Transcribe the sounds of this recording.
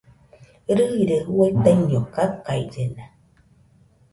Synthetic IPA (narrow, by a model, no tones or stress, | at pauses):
ɾɨɣiɾəwotɛɲdɔkakajd͡zəna